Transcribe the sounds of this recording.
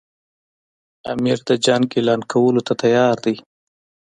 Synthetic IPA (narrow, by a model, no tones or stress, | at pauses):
a̰miɾd̪əd͡ʒaŋɡelɑnkʰawəlot̪at̪ajɑɾd̪i